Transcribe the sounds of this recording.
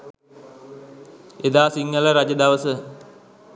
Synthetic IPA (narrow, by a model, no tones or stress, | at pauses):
ed̪aːsiŋɡələɾad͡ʒəd̪aʋəsə